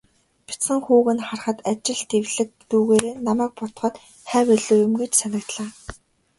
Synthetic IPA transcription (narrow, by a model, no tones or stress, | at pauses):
pʲi̥t͡sχə̆ŋxuːɣɘ̆nχarχə̆t̪at͡ɕɪ̆ɮt̪ewɮɘ̆k̚t̪uːɣeːɾeːnamæːk̚pɔt̪χə̆t̪ | χæːwæɮuːjʊ̆mɡet͡ɕsanə̆kt̪ɮaː